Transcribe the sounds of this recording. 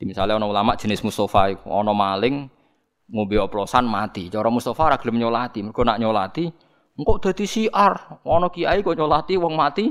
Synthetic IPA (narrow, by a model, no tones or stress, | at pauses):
d̪imisa̰lɪɔnɔulamaʔʒ̥ə̤nɪsmust̪ɔfaiɔ̰nɔmalɪŋː | obeɔplɔsanmat̪it͡ʃɔɾɔmust̪ɔfaɾaɡ̥ləmɲolat̪imərɡɔnaʔɲolat̪i | ŋkɔʔd̪̥ä̤d̪̥isiʔarʔɔnɔkiaikɔɲolat̪iwɔŋmat̪i